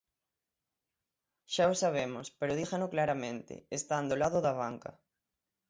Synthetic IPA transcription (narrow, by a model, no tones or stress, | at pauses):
ʃaosaβ̞emospeɾoðixanoklaɾamẽnt̪ɪ̰est̪and̪olaðʊðaβ̞aŋka̰